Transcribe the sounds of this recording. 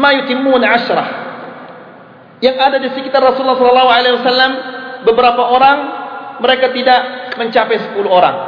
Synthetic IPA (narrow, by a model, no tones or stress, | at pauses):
majut̪ɪmːunʕaʃɾɑ̰h | jaŋadadisikit̪arːɔsuulːɑhsɔlɔlːɑɦualawasalːambəbəɾapaoɾaŋməɾekat̪idaʔməɲt͡ʃapɛjsə̥puluɦoɾa̰ŋ